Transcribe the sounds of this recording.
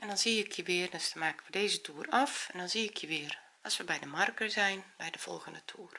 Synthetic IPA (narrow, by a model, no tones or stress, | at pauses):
ʔɛndɔnziɪkʰjəʋɪərdɔsmaːkənʋədeːzətʰuːrɔfɛndɔnziɪkʰjəʋɪːər | ɔsʋəbɛjdəmarkəzɛjnbɛjdəv̥ɔ̰lˠɣəndətʰuːr